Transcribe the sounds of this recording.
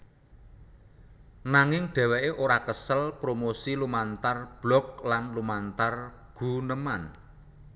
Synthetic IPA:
naŋɪŋɖ̥ɛ̤wɛʔeʔoɾakəsəlpɾomosilumant̪arb̥lɔk̚lanlumant̪arɡ̥ṳnəman

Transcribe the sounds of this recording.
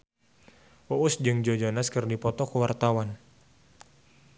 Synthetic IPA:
uʔusd͡ʒɨŋd͡ʒod͡ʒonaskɨrdipɔt̪ɔkuwart̪awan

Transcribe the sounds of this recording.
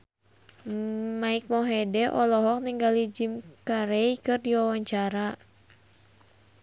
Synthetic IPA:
maik̚mɔɦɛdɛʔɔlɔɦɔk̚niŋɡalid͡ʒimkaɾɛikɨrdiwawaɲt͡ʃaɾa

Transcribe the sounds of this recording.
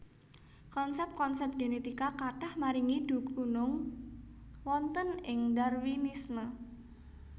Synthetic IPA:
kɔnsɛp̚t̪̚kɔnsɛp̚t̪̚ɡ̥enet̪ikakaʈahmaɾiŋid̪̥ṳɡunʊŋ | wɔnt̪ənɪŋdarwinismə

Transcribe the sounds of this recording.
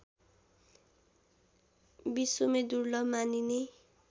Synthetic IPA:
bisomed̪uɾlʌmanine

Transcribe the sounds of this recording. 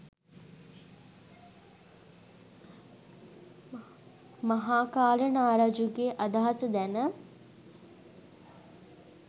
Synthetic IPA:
maɦaːkaːlənaːɾad͡ʒuɡeːʔad̪aɦasəd̪ænə

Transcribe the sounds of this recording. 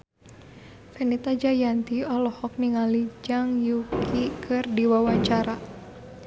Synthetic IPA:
fɛnit̪ad͡ʒajant̪iɔlɔhɔk̚niŋalid͡ʒaŋjukʰikʰɨrdiwawaɲt͡ʃaɾa

